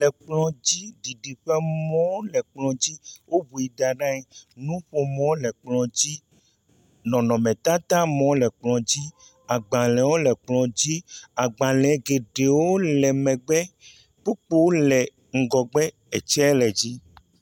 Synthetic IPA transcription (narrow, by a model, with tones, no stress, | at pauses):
lɛ˨k͡plɔ̃˨d͡ʑi˦ɖi˨ɖi˨ɸɛ˦mɔ̃˦lɛ˨k͡plɔ̃˨d͡ʑi˦wʔo˦bu˨i˨da˨ɖã˦ɛ˨nũ˦ɸo˦mɔ̃˦lɛ˨k͡plɔ̃˨d͡ʑi˦ | nɔ̃˨nɔ̃˨mɛ̃˨t̪ã˦t̪ã˦mɔ̃˨˦lɛ˨k͡plɔ̃˨d͡ʑi˦ | a˨ɡ͡bã˨lɛ̃˨wo˦lɛ˨k͡plɔ̃˨d͡ʑi˦a˨ɡ͡bã˨lɛ̃˨˦ɡe˨ɖe˨wo˦lɛ˨mɛ̃˨ɡ͡bɛ˦ | k͡pu˦k͡po˦wo˦lɛ˨ | ŋ̩˨ɡɔ˨ɡ͡bɛ˦ | ɛ˨t͡ʃɛ˦lɛ˨d͡ʑi˦